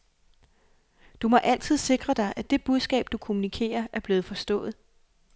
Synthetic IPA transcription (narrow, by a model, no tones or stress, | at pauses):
d̥umɒ̽ʔæl̰t͡sʰið̞̰ˠse̝ɡ̥ʁɐd̥ɑ̈ɪʔæd̥e̝b̥uð̞ˠsɡ̥ɛ̰ːb̥̚d̥ukʰo̝munikʰe̝̰ːɐʔæɐb̥le̝ːð̩ˠfɒ̽sd̥ɔ̰̽ːð̞̩ˠ